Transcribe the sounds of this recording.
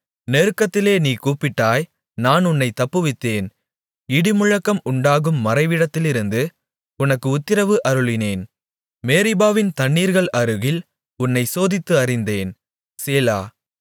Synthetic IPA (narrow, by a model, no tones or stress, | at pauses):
neːɾɯkːɐt̪ːɪleːniːkuːpɪʈːaːj | naːnʊnːɐɪt̪ːɐpːɯʋɪt̪ːeːn | ɪɽɪmʊɻɐkːɐmʊɳɖaːɣɯmːɐɾɐɪʋɪɽɐt̪ːɪlɪɾɯnd̪ɯ | ʊnɐkːɯʊt̪ːɪɾɐʋɯʔɐɾɯɭɪneːn | meːɾɪbaːʋɪnt̪ɐɳːiːɾɣɐɭɐɾɯɣɪl | ʊnːɐɪsoːðɪt̪ːɯɐɾɪnd̪eːn | seːla̰ː